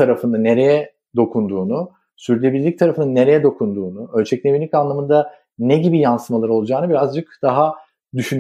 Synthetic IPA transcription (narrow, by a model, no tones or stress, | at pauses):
aɾafɯnd̪ane̞ɾe̞jɛ | d̪o̞kʰund̪uːnu | syɾylʲebilʲlʲic̚t̪ʰaɾafɯnanːe̞ɾe̞jɛd̪o̞kʰund̪uːnuø̞lʲt͡ʃʰɛclʲemilʲicanlˠamɯnd̪a | neɟibijansɯmalˠaɾɯo̞lˠud͡ʒaːnɯbiɾazd͡ʒɯkd̪̥aɦa | d̪yʃyn